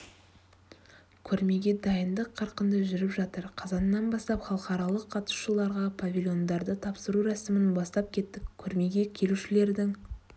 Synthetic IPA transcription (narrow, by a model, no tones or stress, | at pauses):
kʲʰɵɾme̞ɡʲe̞d̪ɑjənd̪əqʰːɑɾqənd̪əʒʏɾɪpʒɑt̪əɾqʰɑzɑnːɑnbɑst̪ɑpχɑlˠəqɑɾɑlˠəqʰːɑt̪ə̥ʃəlˠɑɾʁɑpʰavʲilʲjo̞nd̪ɑɾd̪ət̪ʰɑpsəɾuɾæsɪmɪnbɑst̪ɑp̚kʲʰe̞t̪ːɪkʲkʲʰːɵɾme̞ɡʲe̞kʲʰe̞luʃɪle̞ɾd̪ɪŋ